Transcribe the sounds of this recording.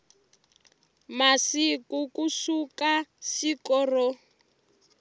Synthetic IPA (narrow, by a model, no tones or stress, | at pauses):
masikukusukaʃikɔrɔ